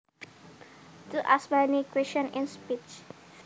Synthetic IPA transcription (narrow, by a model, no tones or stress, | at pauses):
tuʔasbanikʰɹiʃə̃nɪ̃nspit͡ʃ